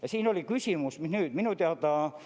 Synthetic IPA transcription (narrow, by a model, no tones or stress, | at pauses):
jɑsiːnolikysʲimusmihnyːd̪minut̪eɑt̪ɑː